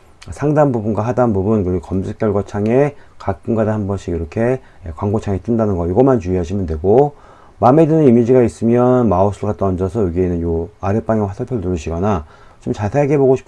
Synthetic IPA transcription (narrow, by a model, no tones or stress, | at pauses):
sʰaŋdanbubunɡwaɦadanbubunkɯɡkʌmsʰɯk͈jʌɭɡwat͡ɕʰaŋekak̚k͈uŋɡadahambʌnɕʰiiɾʌkʰe̞ | kwaŋɡot͡ɕʰaŋet͈ɯndanɯnɡʌiɡʌmant͡ɕuiɦaɕʰimjʌndwe̞ɡo | mame̞dɯnɯnimid͡ʑiɡais͈ɯmjʌnmaosʰɯɡat͈ʌnd͡ʑʌsʰʌjoɡienɯnjoaɾep͈aŋeɸwasʰaɭpʰjʌɭtuɾɯɕʰiɡʌna | t͡ɕomt͡ɕasʰe̞aɡe̞boɡoɕʰi̥p